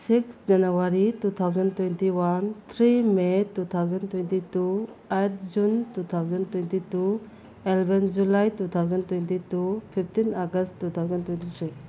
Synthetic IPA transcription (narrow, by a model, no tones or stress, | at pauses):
siksd͡ʒanuwaɾitut̪ʰawzəntwɛntiwant̪ʰɾimetut̪ʰawzəntwɛntitu | ajt̚d͡ʒuntut̪ʰawzəntuɛntitu | ɛlbɛnd͡ʒulajtut̪ʰawzəntuɛntitupʰip̚ʰtinaɡəsttːut̪ʰawzəntwɛntit̪ʰɾi